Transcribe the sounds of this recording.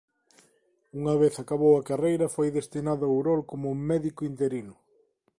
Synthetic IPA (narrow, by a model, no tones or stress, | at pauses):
uŋɐβeθakaβowɐkarejɾɐfojðest̪inaðɐwɾɔlkomʊumɛðikʊint̪eɾinʊ